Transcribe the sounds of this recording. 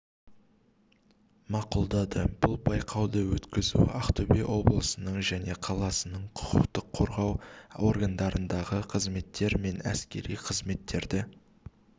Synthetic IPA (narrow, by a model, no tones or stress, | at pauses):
mɑqʊlˠd̪ɑd̪əb̥ʊlˠbɑjqʰɑwd̪əwɵt̪kʲɪzṵɑ̰χt̪obeʔwo̞blˠəsənəɴʒæne̞qʰɑlˠɑsənəɴqʰʊ̥qʰəqt̪əqʰːo̞ɾʁɑwo̞̰rɡand̪ɑɾənd̪ɑʁəqʰəzme̞t̪ʰːe̞ɾme̞næ̰skʲe̞̰ɾijqʰəzme̞t̪ːe̞ɾd̪ɪ